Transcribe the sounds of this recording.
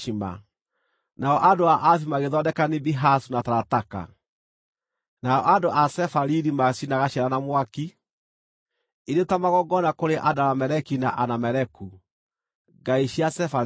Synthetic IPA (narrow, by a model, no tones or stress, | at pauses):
ima̰ | naɔʔandoaʔaf̬imaɣeðɔdɛkanibiɦasunataɾataka̰ | naɔʔandoʔasɛfaɾiɾimasinaɣaɕaɾanamwaki | iɾetamaɣɔɡɔnakoɾeʔadaɾamɛɾɛkinaʔanamɛɾɛku | ɡaiɕiasɛfa